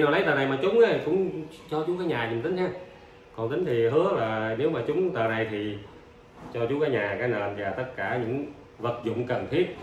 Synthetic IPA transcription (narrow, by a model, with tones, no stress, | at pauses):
naː˨˩wlə˨˦jt̪əː˨˩na˨˩jmaː˨˩t͡ɕʊ˨˦ŋ͡mʔə˨˦kʊ̰˧˥ŋ͡m | t͡ɕɔ˧t͡ɕʊ˨˦kaː˧˦jɲaː˨˩ɲʊ˨ŋ͡mt̪ï˨˦ŋ̟haː˧˩ | kɔ˨˩nt̪ï˨˦ŋ̟t̪ʰi˨˩ɦɨ˨˦əlaː˨˩ne˨˦wmaː˨˩t͡ɕʊ˨˦ŋ͡mt̪əː˨˩na˨˩jt̪ʰi˨˩ | t͡ɕɔ˧t͡ɕʊ˨˦kaː˨˦jɲaː˨˩kaː˨˦jnəː˧˩nzaː˨˩t̪ə˦˥t̚kaː˧˩ɲɨ̰˧˥ŋ | və˨˩t̚zʊ̰˧˨ŋ͡mkə˨˩nt̪ʰi˦˥ət̚